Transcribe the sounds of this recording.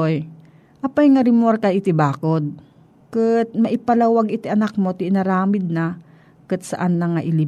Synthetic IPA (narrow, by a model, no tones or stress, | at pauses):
oj | ʔɐpajŋɐɾɪmoɾkɐʔɪt̪ɪbaːkod̪̚ | kɨt̪̚mɐʔɪpɐlawaɡɪt̪ɪʔɐnak̚mot̪ɪʔɪnɐɾaːmɪd̪̚na | kɨt̪̚sɐʔanːɐŋaʔɪlɪ